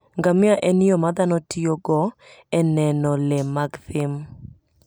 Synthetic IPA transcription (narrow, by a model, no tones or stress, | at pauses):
ŋɡamɪaʔɛnɪɔmad̪anɔtijoɡɔ | ɛnɛnɔlɛmaɡsɪm